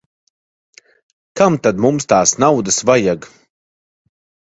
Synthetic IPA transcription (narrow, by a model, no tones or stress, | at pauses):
kamt̪ad̪mumst̪aːsnawd̪ɨsvajaɡ